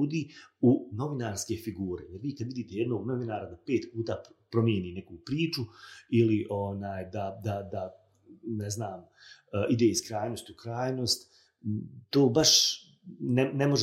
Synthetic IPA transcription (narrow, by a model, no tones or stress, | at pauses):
uːd̪iːuno̞ʋinaːɾske̞fiɡuːɾe̞jeɾʋiːkad̪ʋid̪iːt̪e̞jed̪no̞ːɡno̞ʋinaːɾad̪ape̞ːt̪puːt̪aːpɾo̞mjeniːne̞kupɾiːt͡ʃuiliʔo̞naːjd̪ad̪ad̪a | neznaːm | əʔid̪e̞ːiskɾaːjno̞st̪ukɾaːjno̞ːst̪ | t̪oːbaʃ | nenemo̞ʒ